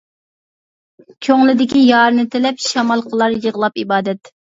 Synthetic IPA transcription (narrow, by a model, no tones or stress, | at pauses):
kʲʰøŋlˠɪd̪ɪkʲijɑːɾɨnɨt̪ʰɪlɛpʃɑmɑlˠqʰəlˠɑɾjəʁlˠɑpibɑːd̪ɛt̪